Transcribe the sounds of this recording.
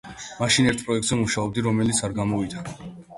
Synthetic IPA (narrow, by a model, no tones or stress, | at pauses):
maʃinɛɾt̪ʰpʼɾɔɛk̚t̪zɛmuʃaɔb̚d̪iɾɔmɛlit̪sʰaɾɡamɔvit̪ʰaɾa